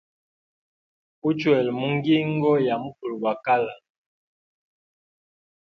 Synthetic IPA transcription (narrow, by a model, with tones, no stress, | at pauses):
u˦t͡ʃwɛ˨lmu˦ŋ˦ɡi˦ŋ˦ɡɔ˦ja˨mu˦fu˨lba˨ka˦la˨